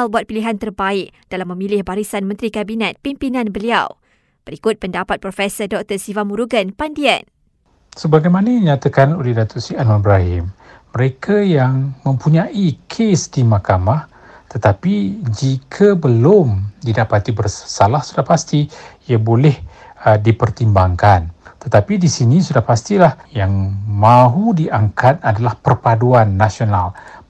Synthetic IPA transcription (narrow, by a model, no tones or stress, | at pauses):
albuat̪̚piliɦant̪ərbaɪk̚d̥alamːə̃mĩlɪhbaɾisanmə̃nt̪ɾikabinɛt̪̚pimpinãnbəliaw | b̥əɾikʊt̪̚pəndapat̪̚pɾɔfɛsərdɔk̚t̪ərsivamuɾuɡənpandia̰n | səbaɡajmãnədiɲat̪akanolɛhdat̪ʊʔ̪sianwanbɾaɦɪ̰mː | əɾekʰajaŋmə̃mpuɲãʔikʰesdimakamah | t̪ət̪apid͡ʒikʰabəlomdidapat̪ibərsalahsudahpast̪iiabolɛh | dipərt̪imbaŋkant̪ət̪apidisinisudahpast̪ilahjaŋmãɦudiʔaŋkat̪̚adalahpərpaduanːasional